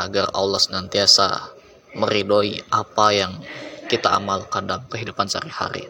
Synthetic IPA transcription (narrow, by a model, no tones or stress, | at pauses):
aɡara̰wlasənant̪iasa̰ | məɾidoiʔapajaŋkit̪aʔa̰malkandalamkəɦidupansa̰ɾiha̰ɾḭ